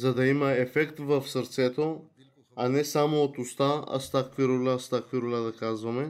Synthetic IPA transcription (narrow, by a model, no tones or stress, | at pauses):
zɐd̪ɐimɐɛfɛkt̪vɐfsəɾt̪sɛt̪o | anɛsamoːt̪ust̪aa̰st̪akviɾolʲast̪akviɾolʲad̪ɐkazvɐmɛ